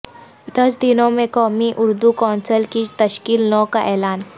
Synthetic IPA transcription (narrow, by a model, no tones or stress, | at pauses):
d̪əs̬d̪inomẽkɔmiʔuɾd̪ukɔnsəlkit̪əɕkiːlnɔkaʔɛlaːn